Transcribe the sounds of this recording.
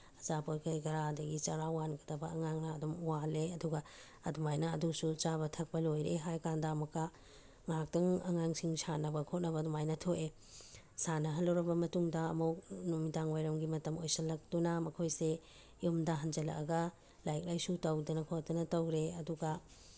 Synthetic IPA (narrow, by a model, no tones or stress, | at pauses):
ɐzapoɾkʰɐjɡɐɾadɐɡit͡ʃɐɾawanɡɐdɐbɐːŋaŋnaːdumuwaleɐduɡɐ | ɐdumajnɐːdusut͡ʃaβɐtʰɐk̚pɐlojɾeɦajkandaːmɐkːa | ŋak̚tɐŋɐ̰ŋaŋsiŋsanɐbɐkʰot̚nɐβɐdumajnɐtʰoʔe | sanɐɦɐlːɐwɾɐbɐmɐtuŋdɐːmuk̚numidaŋwajɾɐmɡimɐtɐmojsɐlɐk̚tunamɐkʰojse | jumdɐɦɐnd͡ʒɐlɐ̰kɐɡɐ | lajk̚lajsutɐwdɐnɐkʰot̚dɐnɐtɐwɾeɐduɡɐ